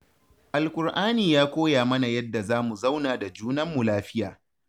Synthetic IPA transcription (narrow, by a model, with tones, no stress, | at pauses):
ʔa˨lkʷʼʊ˨rʔaː˦niː˨jaː˦kʷoː˦jaː˨mɐ˦na˨jɐ˦dːa˨zaː˦mu˨za˦wnaː˨da˨d͡ʒuː˦nɐ˦mːu˨laː˦ɸɪ˦jaː˨